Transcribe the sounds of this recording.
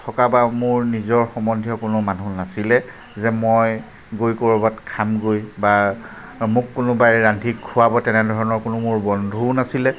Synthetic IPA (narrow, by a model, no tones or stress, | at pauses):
tʰɔkabamʊɹnizɔɹxɔmɔndʱjɔkʊnʊmanunasilɛ | zɛmoj | ɡojkoɹɔbatkʰamɡojba | mʊkːʊnʊbajɹandʱikʰːuwabɔtɛnɛdʱɔɹɔnɔɹkʊnʊmʊɹbɔndʱunasilɛ